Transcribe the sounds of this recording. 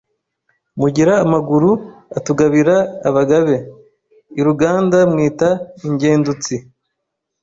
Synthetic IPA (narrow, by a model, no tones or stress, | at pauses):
muɟiɾaːmaɡuɾuatuɡaβiɾaːβaɡaβe̞ | iɾuɡaːndamŋiːtaiɲɟe̞ːndut͡si